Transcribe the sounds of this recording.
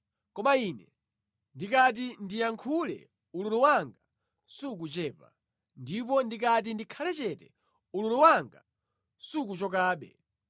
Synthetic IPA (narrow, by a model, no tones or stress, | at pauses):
kɔmainɛ | ndikat̬indijaŋkʰulɛ̰ | ululuwaŋɡa | suk̬ut͡ʃɛːpa̰ | ndipɔndikat̬indikʰalɛt͡ʃɛtɛ̰ | ululuwaŋɡa | suk̬ut͡ʃɔk̬aːɓɛ̰